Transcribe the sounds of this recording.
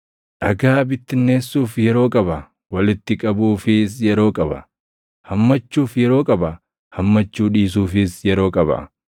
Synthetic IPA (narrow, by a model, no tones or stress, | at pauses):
ʔɐɡaːbɪt̪ːɪnːe̞ːsːuːfjɛɾo̞ːkʼɐbɐ | wɐlɪt̪ːɪkʼɐbuːfɪs̬jɛɾo̞ːkʼɐbɐ̰ | hɐmːɐt͡ʃːuːfjɛɾo̞ːkʼɐbɐ | hɐmːɐt͡ʃːuːᶑiːs̬uːfɪsjɛɾo̞ːkʼɐbɐ̰